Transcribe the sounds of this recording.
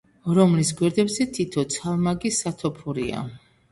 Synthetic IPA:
ɾɔmlisɡwɛɾd̪ɛbzɛt̪ʰit̪ʰɔt̪sʰalmaɡisat̪ʰɔpʰuɾḭa̰

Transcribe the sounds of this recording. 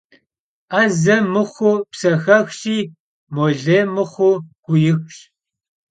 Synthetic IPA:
ʔɐzɐmɨχʷʊpsɐxɐxɕʼiː | moɮeːmɨχʷʊɡ̥ʷʊjɪxɕ

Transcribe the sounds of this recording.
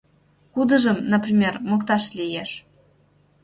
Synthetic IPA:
kud̪ə̆ʒəmnəprʲimʲermokt̪ɑʃlʲijeʃ

